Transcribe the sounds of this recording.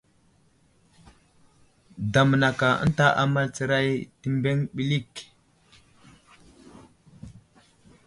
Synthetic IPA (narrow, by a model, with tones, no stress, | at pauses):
da˨m˨na˨ka˨ə̰˦nta˦ʔa̰˨ma˦lt͡sə˨ɾa˦jti˦mbe˦ŋɓi˨li˦˨k